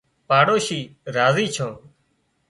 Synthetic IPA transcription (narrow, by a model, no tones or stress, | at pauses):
paːɽoːʃiːɾaːziːt͡ʃʰõː